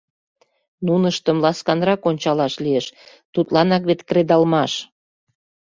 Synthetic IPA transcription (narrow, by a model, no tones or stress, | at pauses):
nunəʃt̪ə̆mlɑskɑnrɑkonʲt͡ɕɑlɑʃlieʃ | t̪ut̪lɑnɑkβet̪kɾed̪ɑlmɑʃ